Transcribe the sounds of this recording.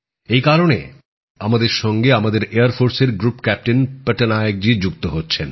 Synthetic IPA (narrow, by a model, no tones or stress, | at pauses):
ejkaɾone | amad̪eɾʃɔŋɡeamad̪eɾeaɾfoɾseɾɡɾupkɛp̚ʈenpeʈenajeɡ̚d͡ʑid͡ʑuk̚t̪oɦotːɕʰen